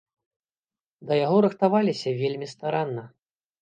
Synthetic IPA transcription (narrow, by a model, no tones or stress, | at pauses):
d̪ɐjaɣɔɾɨxt̪avalʲisʲɐvʲelʲmʲist̪aɾanːɐ